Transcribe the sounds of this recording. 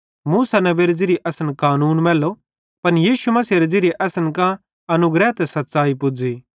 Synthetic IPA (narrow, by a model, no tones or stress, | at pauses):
muːsanɐbeːɾd͡ʒɪɾiʔɐsənkaːnuːnmɛːlo | pɐnjiːʃumɐsiɾed͡ʒɪɾiʔɐsənkã | ɐnʊɡɾɛːt̪ɛsɐt̪ːsaːipʊd͡ʒiː